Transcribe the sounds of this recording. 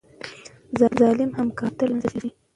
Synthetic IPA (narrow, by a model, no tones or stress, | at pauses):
zɑzɑlɪmhamkɑt̪əlazalaɾi